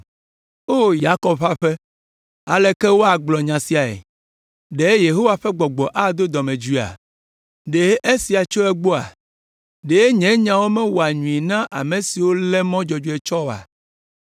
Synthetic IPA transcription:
o˦ja˦kɔ˦bɸa˦ɸe˦ | a̰˨le˨kɛ˦wo˦a˨ɡ͡blɔ˨ɲã˨si˨a˨ḛ˨ | ɖe˨˦je˨ɦo˦wa˨ɸɛ˦ɡ͡bɔ˨ɡ͡bɔ˨ʔa˦d̪o˦d̪ɔ˨mẽ˨d͡ʒui˦˨a̰˨ | ɖe˨˦ʔe˦si˨a˨t͡ʃo˦e˦ɡ͡bo˦a̰˨ | ɖe˨e˦ɲɛ̃˨˦ɲã˨wo˦mɛ̃˦wo˨a˨ɲũ˨i˨nã˦ʔa˨mẽ˨si˨wo˦lɛ˦mɔ̃˦d͡ʒɔ˨d͡ʒu˦e˨t͡ʃɔ˦o˨a̰˨

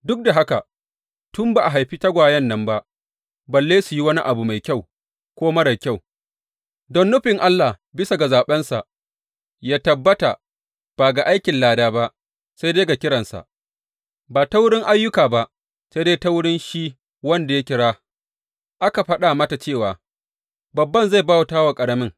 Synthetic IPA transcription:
dʊ˦k̚da˨ɦa˦ka˨ | tʊ˦mba˨ʔa˨ɦa˨jɸiː˦ta˦ɡʷaː˨jɛ˦nːɐ˨mba˦ʔ | bɐ˨lːeː˦su˨ji˦wɐ˦ni˦ʔa˨bu˨ma˨jkʲa˦˨w | kʷoː˦mɐ˦ɽɐ˨kʲa˦˨w | dɔ˦nːʊ˦ɸɪ˨ŋʔa˦lːa˨ | bɪ˦sa˨ɡa˨zaː˨ɓɛ˦nsa̰˨ʔ | jaː˦tɐ˨bːɐ˦ta̰˨ | b̥aː˨ɡa˨ʔa˦jkʲɪ˨nlaː˨daː˦ba˦ʔ | sa˦jdeː˦ɡa˨kʲɪ˦ɽɐ˨nsa̰˨ʔ | baː˨ta˦wʊ˦ɽɪ˦ŋʔa˦jːʊ˦kaː˨ba˦ʔ | sa˦deː˦ta˦wʊ˦ɽɪ˦nʃi˦ | wɐ˦nda˨ja˦kʲɪ˦ɽaː˦ | ʔa˦ka˨ɸɐ˦ɗa˨ma˦ta˨t͡ʃeː˦˨waː˨ | bɐ˨bːɐ˦nza˦˨jbaː˦wa˨taː˦wa˨kʼɐ˨ɽɐ˦mɪ˦ŋ

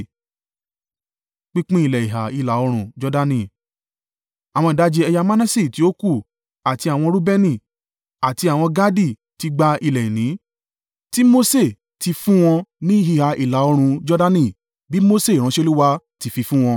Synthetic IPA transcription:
k͡pi˦k͡pĩ˦i˨lɛ˨i˨ɦa˨i˧˨la˨˦o˧ɾ̃ũ˧d͡ʒɔ˦da˧nĩ˦˨ | a˨w̃ɔ̃˧i˨da˨˦d͡ʒe˧ɛ˧ja˧ma˦nã˦si˦˨ti˨˦o˦ku˦˨ | a˨ti˧a˨w̃ɔ̃˧ɾu˦bɛ˦nĩ˦˨ | a˨ti˧a˨w̃ɔ̃˧ɡa˦di˦˨ | ti˧ɡ͡ba˧i˧lɛ˨i˨nĩ˨˦ | ti˦mo˦se˦˨ | ti˧fũ˦w̃ɔ̃˧nĩ˦ɦi˧ha˧˨ʔi˨la˨˦o˧ɾ̃ũ˧d͡ʒɔ˦da˦nĩ˦˨ | bi˦mo˦se˦˨ɾ̃ã˨˦ʃe˦˧˦lu˦wa˧ti˧fi˧fũ˦w̃ɔ̃˧

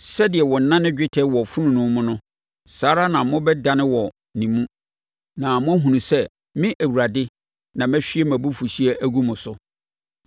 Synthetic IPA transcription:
sɛ˦dɪ˨ɛ˨wɔ˨n̩˨˦nã˦nɪ̃˦d͡ʑᶣɪ˦tʰɛ˦wɔ˨fu˦nũ˨nʊ̃˦mʊ̃˦nʊ̃˦ | saː˨˦ɾa˦nã˨mʊ̃˦bɛ˦da˦nɪ̃˦wɔ˨ | nĩ˨mũ˦ | nã˨mʊ̃˦æ˦ɦũ˨nũ˨sɛ˦ | mɪ̃˦ʔæ˨wu˨ɾa˨dɪ˦ | nã˨mɛ̃˦ɕᶣi˦ɛ˦mæ̃˨bu˦fu˨ɕi˦e˦ʔæ˦ɡu˦mʊ̃˨sʊ˨

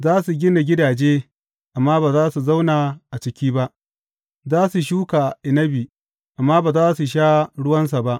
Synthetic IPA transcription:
zaː˦su˨ɡʲɪ˦na˨ɡʲɪ˦daː˨d͡ʒeː˦ | ʔa˨mːaː˦baː˨zaː˦su˨za˦wnaː˨ʔa˨t͡ʃɪ˦kʲiː˦ba˦ʔ | zaː˦su˨ʃuː˦ka˨ʔɪ˨nɐ˦biː˨ | ʔa˨mːaː˦baː˨zaː˦su˨ʃ̬aː˦ɽʊ˦wɐ˦ns̬a˨ba˦ʔ

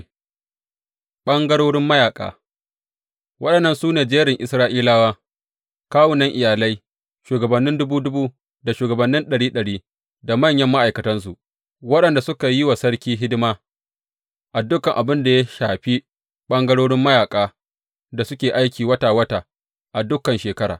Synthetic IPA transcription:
ɓɐ˦ŋɡɐ˦ɽoː˦ɽɪ˦mːɐ˦jaː˨kʼa̰ː˨ | wɐ˦ɗɐ˨nːɐ˦nsuː˦neː˨d͡ʒeː˦ɾɪ˨ŋʔɪ˨sɾaː˦ʔiː˦laː˦waː˦ | kaː˦wʊ˨nɐ˦ŋʔɪ˨jaː˨lɐ˦j | ʃuː˨ɡɐ˨bɐ˨nːɪ˦ndʊ˦buː˦dʊ˦buː˦ | da˨ʃuː˨ɡɐ˨bɐ˨nːɪ˦nɗɐ˨ɽiː˦ɗɐ˨ɽiː˦ | da˨mɐ˦˨ɲjɐ˦mːa˦ʔa˨jkɐ˨tɐ˦ns̬u˨ʔ | wɐ˦ɗɐ˨nda˨sʊ˦ka˨jɪ˦wa˨sɐ˦ɽkʲiː˦ɦɪ˦dɪ˦maː˦ | ʔa˨dʊ˦kːɐ˨ŋʔa˨bɪ˦nda˨ja˦ʃaː˨ɸi˦ | ɓɐ˦ŋɡɐ˦ɽoː˦ɽɪ˦mːɐ˦jaː˨kʼaː˦ | da˨sʊ˦kʲeː˨ʔa˦jkʲiː˨wɐ˦taː˨wɐ˦taː˨ | ʔa˨dʊ˦kːɐ˨nʃeː˨kɐ˦ɽa̰ː˨

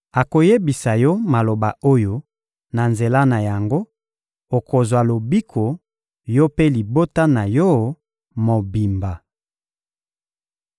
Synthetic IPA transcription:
a˨ko˨je˦bi˨sa˨jɔ˦ma˨lo˨ba˨o˦jo˦ | na˨nze˨la˦na˨ja˨ŋɡo˦ | o˨ko˨zwa˨lo˨bi˦kʰo˨ | jɔ˦pe˦li˨bo˦ta˦na˨jɔ˦ | mo˨bi˨mba˨

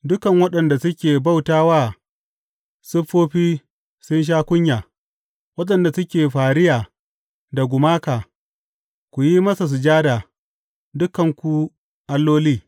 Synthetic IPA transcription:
dʊ˦kɐ˨ŋwɐ˦ɗɐ˨nda˨sʊ˦kʲeː˨ba˦˨wtaː˦waː˦˨ | sʊ˦ɸoː˦ɸiː˦ | sʊ˦nʃ̬aː˦kʷʊ˦ɲjaː˨ | wɐ˦ɗɐ˨nda˨sʊ˦kʲeː˨ɸaː˨ɽɪ˦jaː˨ | da˨ɡʷʊ˨maː˦kaː˨ | kʷu˨ji˦mɐ˦sa˨s̬ʊ˨d͡ʒaː˦da˨ | dʊ˦kɐ˨ŋkʷu˨ | ʔa˨lːoː˦liː˦

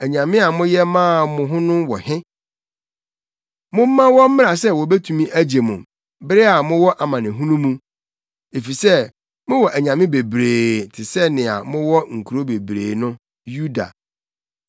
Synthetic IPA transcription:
æ˨ɲã˨mɪ̃˦a˨mʊ̃˦jɛ˦mãː˦˨mʊ̃˨ɦʊ̃˦nʊ̃˦wɔ̰˨hɪ̃˦ | mʊ̃˦m̩˦mã˦wɔ˦m̩˦mɪ̃˦na˨sɛ˦wɔ˨be˦tʰu˨mĩ˦ʔæ˦d͡ʑe˨mũ˨ | bɪ˦ɾɪ˦a˨mʊ̃˦wɔ˦ʔa˨mã˨nɪ̃˨ɦũ˦nũ˦mũ˦ | e˨fi˨sɛ˦ | mʊ̃˦wɔ˨ʔæ˨ɲã˨mɪ̃˦be˨bɾeː˨tʰɪ˨sɛ˦nɪ̃˨a̰˨mʊ̃˦wɔ˦ŋ̩˨kʰu˨ɾo˦be˨bɾḛː˨nʊ̃˦ | ju˦da̰˨

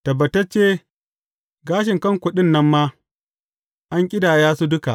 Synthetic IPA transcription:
tɐ˨bɐ˨tɐ˦t͡ʃeː˦ | ɡaː˦ʃ̬ɪ˨ŋkɐ˦ŋkʷʊ˨ɗɪ˦nːɐ˦mːaː˦ | ʔa˦ŋkʲʼɪ˦daː˨jaː˦su˦dʊ˦ka̰˨ʔ

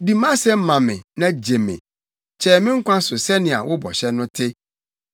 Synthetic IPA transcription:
di˨mã˦sɛ˦m̩˦mã˨mɪ̃˨nã˦d͡ʑe˨mɪ̰̃˨ | t͡ɕʰɛː˦˨mɪ̃˦ŋ̩˦kʷã˦sʊ˨sɛ˦nɪ̃˨a̰˨wʊ˦bɔ̰˨ɕɛ˦nʊ̃˦tʰɪ˦

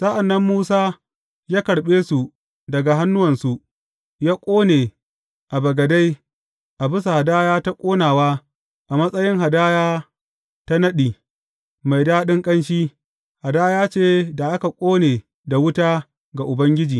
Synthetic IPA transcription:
sʼɐ˦ʔa˨nːɐ˦mːuː˦saː˦ | jaː˦kɐ˨ɽɓeː˦su˨ | dɐ˨ɡa˨ɦa˦nːʊ˦wɐ˨nsu˨ʔ | jaː˦kʷʼoː˦ne˨ | ʔa˨bɐ˨ɡɐ˨da˦j | ʔa˨bɪ˦sa˨ha˨daː˦jaː˦ta˦kʷʼoː˦naː˨waː˦ | ʔa˨mɐ˦sʼɐ˦jɪ˦ŋɦa˨daː˦jaː˦ | ta˦nɐ˦ɗiː˨ | ma˨jdaː˦ɗɪ˦ŋkʼɐ˦nʃiː˦ | ha˨daː˦jaː˦t͡ʃeː˦da˨ʔa˦ka˨kʷʼoː˦neː˨ | da˨wʊ˦taː˦ | ɡa˨ʔʊ˨bɐ˦ŋɡʲɪ˦d͡ʒiː˨

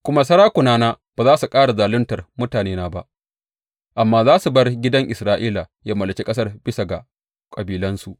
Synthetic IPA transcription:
kʷʊ˦ma˦sɐ˦ɽaː˦kʷʊ˨naː˦naː˦baː˨zaː˦su˨kʼaː˦ɽa˨zaː˨lʊ˦ntɐ˨rmʊ˦taː˨neː˦naː˦ba˦ | ʔa˨mːaː˦zaː˦su˨bɐ˦rɡʲɪ˦dɐ˦ŋʔɪ˨sɾaː˦ʔiː˦la˨jaː˦mɐ˨lɐ˨t͡ʃʲi˦kʼɐ˦s̬ɐ˦rb̥ɪ˦sa˨ɡa̰˨ | kʼɐ˨biː˨lɐ˦nsu˨ʔ

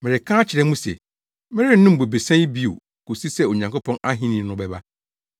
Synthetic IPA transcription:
mɪ˨ɾɪ˨kʰãː˦t͡ɕʰɪ˨ɾɛ˦mũ˦sɛ̰˨ | mɪ̃˦ɾɪ˦ʊ̃˦m̩˨be˨be˨sɛ̃˦bi˦o̰˨ | ko˨si˦sɛ˦o˨ɲã˨ŋko˦pʰɔ̃˦na˦ɦĩ˦nĩ˨nʊ̃˦bɛ˦ba˦

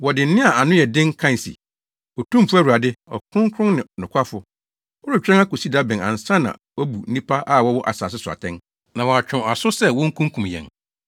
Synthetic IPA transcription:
wɔ˨dɪ˨n̩˦nɪ̃˦a˨a˨nʊ̃˦jɛ˨dɪ̃˦ŋ˦kʰã˦˨n˨sḭ˨ | ɔ˨tʰũ˦m˨pʰʊ˦æ˦˨wu˨a˨dɪ˦ɔ̰˨kʰʊ̃˦ŋ˦kʰɾʊ̃˦nnɪ̃˨nʊ̃˨kʷʰa˦fʊ˨ | ɔ˦ɾʊ˨t͡ɕᶣɾɛ̃˦ŋa˦ko˨si˦da˦bɪ̃˨nã̰˨n̩˨sã˦nã̰˨wɔ˦bu˨n̩˦nĩ˦pʰa˦ʔa˦˨wɔ˦wɔ˦ʔa̰˨saː˨s̬ɪ˦sʊ˨a̰˨tʰɛ̃˦n | nã˨wɔ˨a˨t͡ɕᶣʰʊ̃˨a˨sʊ˦sɛ˦wɔ̃˦ŋ̩˦kʰũ˦ŋ˦kʰũ˨mjɛ̰̃˨n

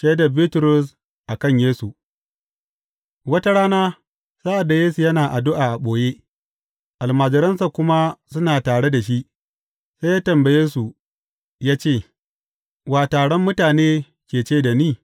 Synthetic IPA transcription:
ʃɐ˦da˨biː˦tʊ˨ɾʊ˦s̬ | ʔa˨kɐ˦ɲjeː˦su˨ | wɐ˦ta˦ɽaː˦naː˦ | sa˦ʔa˨da˨jeː˦su˨jɐ˦naː˨ʔa˨dʊ˦ʔaː˨ʔa˨ɓoː˨jeː˦ | ʔa˨lmaː˨d͡ʒɪ˨ɾɐ˦nsa˨kʷʊ˦ma˦sʊ˦naː˨taː˨ɽe˦da˨ʃ̬i˦ʔ | se˦jaː˦tɐ˨mbɐ˨jeː˦su˨ | jaː˦t͡ʃeː˦˨ | waː˨taː˨ɽɔ˦mːʊ˦taː˨neː˦ | kʲeː˨t͡ʃeː˦˨da˨niː˦˨

